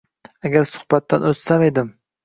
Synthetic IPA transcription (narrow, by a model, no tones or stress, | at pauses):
æɡʲæɾsʊ̥hbat̪ːanot̪samed̪ɪm